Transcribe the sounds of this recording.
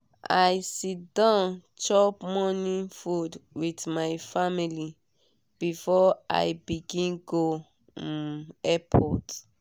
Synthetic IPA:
ʔa̰jsidãʊnt͡ʃɔpmɔnĩfudwitmajfamili | b̥ifɔa̰jbiɡĩnɡo | ɛpʰɔt

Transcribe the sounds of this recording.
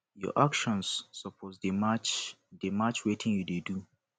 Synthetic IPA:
jɔ̰ʔakʃɔ̃nsːɔpʰɔzdemat͡ʃ | demat͡ʃwetʰɪ̃ŋjudedu

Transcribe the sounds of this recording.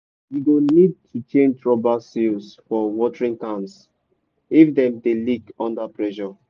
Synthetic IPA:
juɡonid̚tʰut͡ʃẽnd͡ʒɹɔbasilsfɔwɔtəɹĩŋkãns | ifdɛ̃mdelikɔ̃ndapɹɛʃɔ

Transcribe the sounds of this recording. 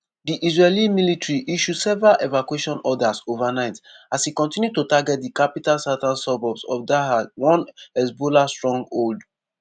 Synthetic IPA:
diʔizɹɛlĩmilitɹiʔiʃudsɛvɹaʔevakweʃɔ̃nɔdasovanaɪtashikɔ̃ntĩnjutotaɡɛt̚dikapitalsatãnsɔbɔbsɔ̰fdaɦawɔ̃nɛsbolastɹɔ̃ŋɡold

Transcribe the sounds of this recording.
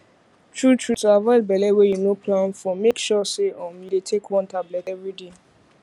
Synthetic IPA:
tʰɹutʰɹutuavɔɪd̚bɛlɛwejunopʰlãnfɔmekʃɔseʔɔ̃midetʰekwɔ̃ntablɛtɛvɹide

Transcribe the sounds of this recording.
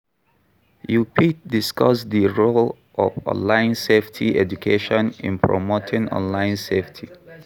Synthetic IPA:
jupidiskʌsdiɹol | ʔɔ̰vɔ̰̃nlãɪ̃nseftʰiɛd͡ʒukʰeʃɔ̃nḭ̃npʰɹɔ̰motʰɪ̃ŋɔ̰̃nlãɪ̃nseftʰi

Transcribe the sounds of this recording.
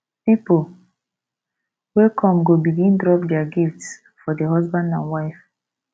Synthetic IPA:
pipo | wekʰɔ̃mɡobiɡĩndɹɔp̚dɛaɡifts | fɔdeɦɔzbãndã̰nwaɪf

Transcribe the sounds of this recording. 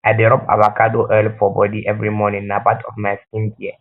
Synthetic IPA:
abɛɾɔpa̰bakʰadoʔɛlfɔbɔdiʔɛvɾimɔnɪ̃nãpatʰɔfmãɪstĩnbiɛ

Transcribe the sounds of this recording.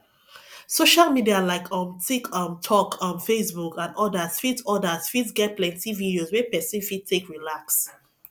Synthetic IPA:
soʃalmidialaɪkʰɔ̃ntʰikʰɔ̃ntʰɔkʰɔ̃nfesbukãnɔdaz̥fidɔdaz̥fidsɡɛt̚plɛ̃ntividiozwɛpɛsĩnfid̚tʰekɹilaks

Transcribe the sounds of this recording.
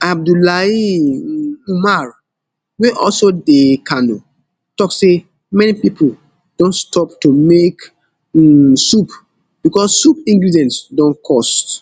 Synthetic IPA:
ab̚dulai | umaɹ | weʔɔ̰lsodekano | tɔkse | mɛnipipʰol | d̥õnstʰɔptumek | sup | b̥ikɔssupĩŋɡɹidɛ̃ntsdɔ̃nkʰɔst

